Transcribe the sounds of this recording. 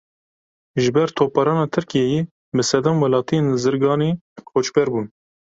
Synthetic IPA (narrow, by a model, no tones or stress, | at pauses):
ʒɨbɛɾt̪ʰoːpɑɾɑːnɑːt̪ʰɨɾkijɛjeː | bɨsɛd̪ɑmwɛlɑːt̪ijenzɨɾɡɑːniːxot͡ʃbɛɾbuːn